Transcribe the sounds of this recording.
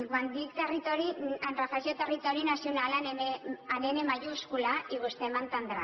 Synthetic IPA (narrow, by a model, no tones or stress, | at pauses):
ɡwand̪ikt̪erit̪oɾianrafasot̪erit̪oɾinasijonalaneneanenemajuskulaiɣust̪emant̪and̪ɾa